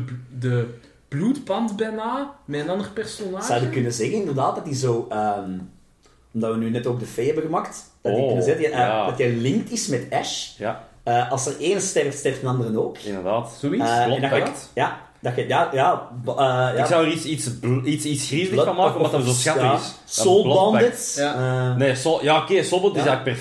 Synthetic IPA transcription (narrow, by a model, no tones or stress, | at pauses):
ədə | b̥luːtbɑntbɛnaːmɛənɑndərpɛrsonaːzawɛdəkʏnəzɛɣənɪndərdaːt̚dɑtizoːəːm | ɔmdɑtʋənyːnɛtoːɡ̚dəfeːhɛbəɣəmaktd̥ɑinəzɛədɑtɛlɪŋk̚tɪsmɛtɛʃ | əʔɑlˠsərʔeːnəstɛrftstɛrftənɑndərənoːkɪ̰ndəʁdaːtz̥oislɛndɑɛtjaː | dɑxəjaːjaːbəjaksawəɾitsitsbitsitsxrizələɑnmaːkəɔtzosxaaɪs | soːbɔndət | neːsojaokesobɔtɪsɛlək̚pɛ